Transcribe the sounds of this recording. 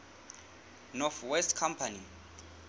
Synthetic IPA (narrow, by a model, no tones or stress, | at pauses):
nɔθwɛstkʰampʰani